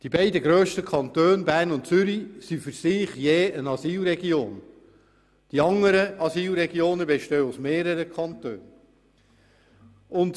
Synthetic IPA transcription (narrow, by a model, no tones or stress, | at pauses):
d̥ibɛɪdəɡɾøːʃtəkʰɑnt̪øːnbæːɾnʊntt͡sʏɾisifʏɾsɪːχjeːənɑsiːlɾɛɡioːn | d̥iɑŋəɾəɑsiːlɾɛɡioːnəbɛʃtøːusmeːɾəɾəkʰχɑnt̪øːn | ʊnt